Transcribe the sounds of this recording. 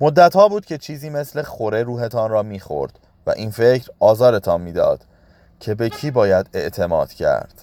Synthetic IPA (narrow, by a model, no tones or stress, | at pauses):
mod̪ːæt̪hɒːbuːd̪̥̚cʰe̞t͡ʃʰiːziːme̞sle̞xoɾe̞ɾuːɦe̞t̪ʰɒnrɒːmiːxo̞̰ɾd̪̥ | væ̰ʔiːnfe̞cɾɒːzɒːɾe̞t̪ʰɒnmiːd̪ɒ̰ːd̪̥ | cʰe̞be̞cʰiːbɒːjæd̪e̞ʔt̪ʰe̞mɒːd̪̥cʰæ̰ɾd̪̥